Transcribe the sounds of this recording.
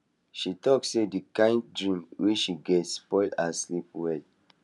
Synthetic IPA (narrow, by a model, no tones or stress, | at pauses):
ʃitɔksedikãɪ̃ndɹĩmwit͡ʃʃiɡɛtspɔɪldaslipwɛd